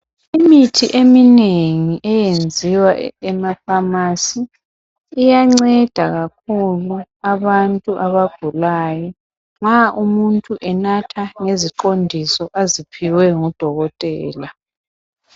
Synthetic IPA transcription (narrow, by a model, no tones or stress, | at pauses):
imitʰiʔemineŋiʔɛjend͡zʱiwaɛmafamasiː | jaŋ͡ǀɛd̥ʱaɣak̚ʰuluaβantʼuʔaβaɡ̥ʱulaːjɔ | ŋ͡ǁaʔumuntʼuʔɛnatʰaŋeziǃondʱisɔʔazipʰiwɛŋɔd̥ʱɔɣɔtʼɛːla